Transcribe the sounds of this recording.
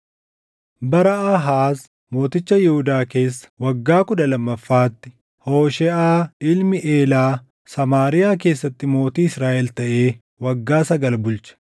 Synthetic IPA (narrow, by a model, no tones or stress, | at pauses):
bɐɾɐɐɦaːs | mo̞ːt̪ɪt͡ʃːɐjɛhʊd̪aːke̞ːs̬ːɐ̥wɐɡːaːkʊd̪ɐlɐmːɐfːaːt̪ːɪ̥ | hoːʃɛʔaːɪlmɪʔe̞ːlaː | sɐmaːɾɪjaːk̬e̞ːsːɐt̪ːɪmo̞ːt̪iːɪsɾaːʔɛlt̪ɐʔe̞ː | wɐɡːaːsɐɡɐlbʊlt͡ʃɐ̥